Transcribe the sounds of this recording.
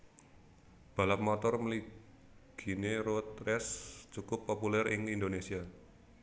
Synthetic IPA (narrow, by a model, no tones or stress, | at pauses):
b̥a̤lap̚mɔt̪ɔrməli | ɡ̥i̤neɾot̪̚rɛst͡ʃukʊpːopulɛrɪŋindonesia